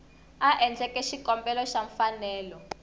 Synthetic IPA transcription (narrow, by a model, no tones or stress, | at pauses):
aʔɛnd͡ɮʱɛkʼɛʃikɔmbɛlɔʃaɱfanɛːlɔ